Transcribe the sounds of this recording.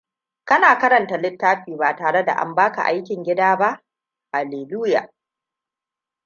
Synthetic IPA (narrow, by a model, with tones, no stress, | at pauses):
kɐ˦naː˨kɐ˦ɾɐ˨nta˨lɪ˦tːaː˦ɸiː˨ba˨taː˨ɽe˦da̰˨ʔa̰˨˦mbaː˦ka̰˨ʔa˦jkʲɪ˨ŋɡʲɪ˦daː˦ba˦ʔ | ʔa˨leː˨luː˦ja̰ː˨